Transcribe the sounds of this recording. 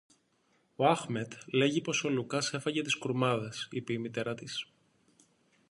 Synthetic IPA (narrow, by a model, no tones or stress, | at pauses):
oɐxme̞t̪le̞ʝipo̞so̞lukɐse̞fɐʝe̞t̪iskɾumɐðesipeimit̪e̞ɾɐt̪is